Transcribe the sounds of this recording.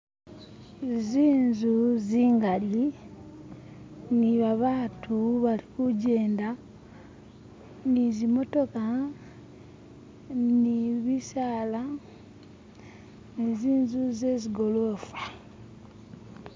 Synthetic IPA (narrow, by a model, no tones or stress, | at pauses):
ziːnzuziːŋɡali | niβaβaːtʰuβalikuɟeːnda | nizimo̞to̞ka | niβisaːla | niziːnzuzeziɡo̞loːfḁ